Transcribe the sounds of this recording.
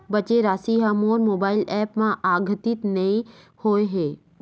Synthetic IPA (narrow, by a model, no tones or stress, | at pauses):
bɐt͡ʃeɾaːsiɦamoːɾmoːbaːɪlɛːpmãʔaːɡʱət̪ɪt̪nɐĩ | hoːeɦeː